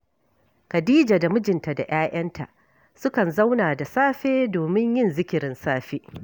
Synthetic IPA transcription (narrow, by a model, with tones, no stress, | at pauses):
kɐ˨diː˦d͡ʒaː˨da˨mʊ˦d͡ʒɪ˨nta˨da̰˨j̰aː˦ʔɐ˦ntʰa̰˨ʔ | sʊ˦kɐ˨nza˦wnaː˨da˨saː˦ɸeː˦doː˨mɪ˦ɲjɪ˦˨nzɪ˦kʲɪ˨ɾɪ˦nsaː˦ɸeː˦